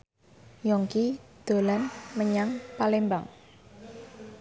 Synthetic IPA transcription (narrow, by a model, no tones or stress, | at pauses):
jɔŋkid̪̥o̤lanməɲaŋpalemba̰ŋ